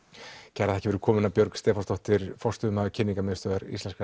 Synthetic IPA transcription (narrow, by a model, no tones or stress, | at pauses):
cʰɛɾaðθɛcɪvɛɾʏkʰɔːmʏɪnapjœɾkst̪ɛːfɔst̪ɔht̪ɪɾfɔr̥st̪ʏmaðcʰɪnːiŋkamɛst̪œːðaɾḭslɛnska